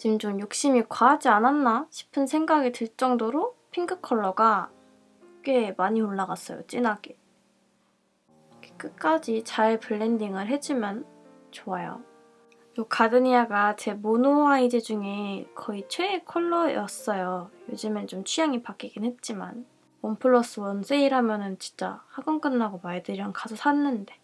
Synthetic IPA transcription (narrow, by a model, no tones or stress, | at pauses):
t͡ɕimd͡ʑomjok̚ɕ͈imikwaɦad͡ʑiananːaɕʰi̥pʰɯnsʰe̞ŋɡaɡetɯɭt͡ɕ͈ʌŋdoɾopʰiŋɡɯkʰʌɭːʌɡa | k͈emaɲioɭːaɡas͈ʌ̰jo̰t͡ɕ͈inaɡe | kʰek͈ɯk͈ad͡ʑit͡ɕaepɯɭːendiŋɯɭɦe̞d͡ʑimjʌn | t͡ɕoajo̰ | jokadɯɲiaɡat͡ɕe̞monowaid͡ʑed͡ʑuŋekʰʌit͡ɕʰweːkʰʌɭːʌjʌs͈ʌjojod͡ʑɯment͡ɕomt͡ɕʰujaŋipak͈iɡinɦet̚t͡ɕ͈ima̰n | ompʰɯɭːʌs͈ɯwʌnsʰeiɾɦamjʌnɯnt͡ɕi̥nt͡ɕ͈a̰haɡʌŋk͈ɯnːaɡomaedɯɾjʌnkasʰosʰanːɯnde̞